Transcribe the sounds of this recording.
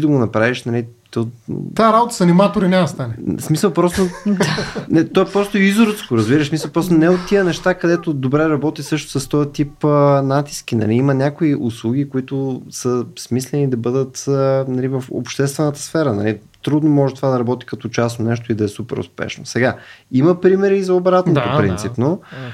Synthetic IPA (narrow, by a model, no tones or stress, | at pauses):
id̪ɐɡonɐpɾaviʃnɐlit̪ɔt̪aɾabot̪ə̥sɐnimat̪oɾinɛst̪anɛsmisəlˠpɾɔst̪o | nɛt̪ɔɛpɾɔst̪ʊizʊɾət̪skoɾəzbiɾəʃsmisəlˠpɾɔst̪ʊnɛot̪ːijənɛʃt̪akɐd̪ɛt̪ʊd̪obɾɛɾɐbɔt̪isɤʃt̪o̥sɐst̪ɔjət̪ipnat̪i̥sk̟ʲinɐ̰liimənʲakoiʔuslˠuɡ̟ikoit̪ʊsəsmislɛnid̪ɐbɤd̪ət̪nɐlivəfo̰pʃt̪ɛst̪vɛnət̪ə̥sfɛɾənɐ̰li | t̪ɾud̪nomɔʒɛt̪ovad̪ɐɾɐbɔt̪i̥kɐt̪ɔt͡ʃasnonɛʃ̬t̪oid̪ɐɛsupɛ̰ɾʊ̰spɛ̰ʃno̰sɛɡaiməpɾimɛɾiːzɐobɾat̪nopopɾḭnt̪sipno